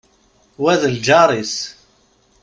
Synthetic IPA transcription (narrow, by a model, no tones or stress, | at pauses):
wæðəld͡ʒɑɾˤis